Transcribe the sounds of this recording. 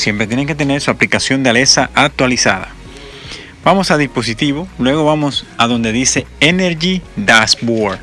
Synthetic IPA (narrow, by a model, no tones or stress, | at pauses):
sje̞mpɾet̪jeneŋke̞t̪e̞ne̞ɾsuaplikasjo̞nd̪eale̞saʔak̚t̪walisa̰ða̰ | b̥amo̞saðispo̞s̬it̪iβo̞lwe̞ɣ̞o̞βamosaðo̞nd̪e̞ðise̞eneɾʝid̪asboɾ